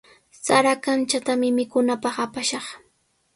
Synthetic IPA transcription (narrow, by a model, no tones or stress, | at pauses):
saɾakant͡ʃat̪amɪmɪkʊnapɑχapaʃɑχ